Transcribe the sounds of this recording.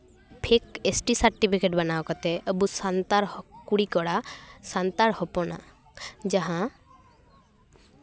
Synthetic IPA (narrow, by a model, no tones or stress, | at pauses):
pʰekesʈisaɾʈipʰikeʈbanaɔkɔt̪ɛʔəbusant̪aɾkuɽikɔɽasant̪aɾhɔpɔna̰ | d͡ʒaɦã